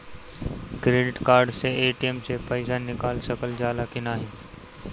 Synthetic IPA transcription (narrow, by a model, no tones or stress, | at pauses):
kɾeːɖɪʈkaːɾɖseeːʈiemsepəɪʃaːnːɪkaːlsəkəld͡ʒaːlaːkɪnaːɦɪː